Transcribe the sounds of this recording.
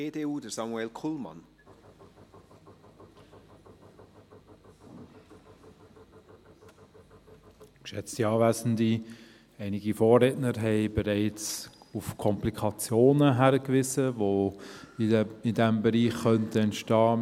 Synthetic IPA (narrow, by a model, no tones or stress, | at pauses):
eːdeːuːdəsɑmuɛlkʰulmɑ̰n | kʃɛt͡stiɑːvæɪzn̩di | ɛɪnɪɡifoːɾɛːtnəɾɦɛɪbɛɾɛɪt͡sufkʰɔmplikʰɑt͡sjoːnəɦæɾəkvɪzəvo | ɪdɛmbɛɾiːχːœntəɛntʃtɑː